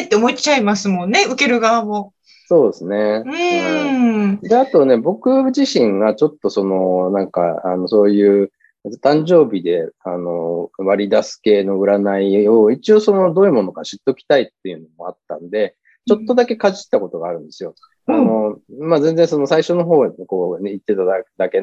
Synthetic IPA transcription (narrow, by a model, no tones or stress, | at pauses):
t̪ːeomot͡ɕaimasɨmõ̞nːe̞ɯ̟ke̞ɾɯ̟ɡaβamo̞ | so̞ːd̪esɨne̞ | d̪eat̪o̞ne̞bo̞kɯ̟d͡ʑiɕĩŋɡat͡ɕo̞t̪ːo̞so̞no̞nãŋka̰a̰no̞so̞ːjɯ̟ː | t̪ãɲ̟d͡ʑo̞ːbʲid̪e̞ano̞βaɾʲid̪asɨ̥ke̞ːno̞ɯ̟ɾanaio̞it͡ɕio̞so̞no̞d̪o̞ːi̟mo̞nokaɕit̪ːo̞kʲi̥t̪ait̪ːe̞jɯ̟no̞mo̞at̪ːãnd̪e̞ | t͡ɕo̞t̪ːo̞d̪ake̞kaʑi̥t̪ːako̞t̪o̞ɡaːɾɯ̟̃nd̪e̞sɨjo̞ | ano̞mazẽ̞nd͡zẽ̞ɰ̃so̞no̞saiɕo̞no̞ɦo̞ːko̞ːit̪ːe̞t̪ad̪ake̞